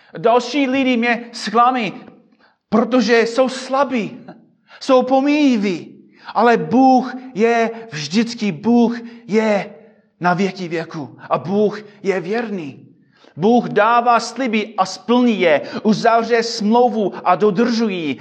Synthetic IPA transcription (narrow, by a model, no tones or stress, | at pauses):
dalʃiːlɪdɪmɲɛsklami | pɾot̪oʒɛso̞wslabi | sowpomijivi | ʔalɛbuːxjɛvʒdɪt͡skɪbuːxjɛ | navjɛkivjɛkuʔabuːxjɛvjɛɾniː | buːxdaːvaːslɪbɪʔaspl̩ɲijɛʔuzavrɛsmlowvuʔadod̪r̩ʒuji